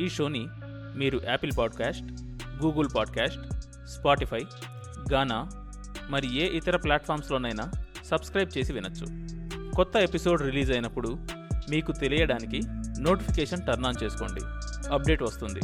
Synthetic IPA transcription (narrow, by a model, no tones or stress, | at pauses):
iːʂo̞ːni | miːɾuʔɛːpilpaːɖkaːsʈ | ɡuːɡɐlpaːɖkaːsʈ | spaːʈipʰɐj | ɡaːnaː | mɐɾieːʔit̪ɐɾɐplaːʈpʰaːɾmslo̞ːnɐjna | sɐbskɾɐjb̚t͡ʃe̞ːsiʋinɐt͡ʃːṵkɔt̪ːɐe̞piso̞ːɖɾiliːzɐjnɐpːuɽumiːkut̪e̞lijɐɽaːnikino̞ːʈipʰikeːʂɐnʈɐɾnaːnt͡ʃe̞ːsu̥koːɳɖḭɐp̚ɖe̞ːʈʋɐst̪und̪ḭ